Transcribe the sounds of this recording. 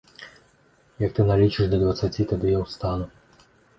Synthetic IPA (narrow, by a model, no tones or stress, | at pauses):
jɐk̚t̪ɪnalʲit͡ʃɪʐd̪ɐd̪vɐt̪sɐt͡sʲit̪ɐd̪ɪjɛwst̪anʊ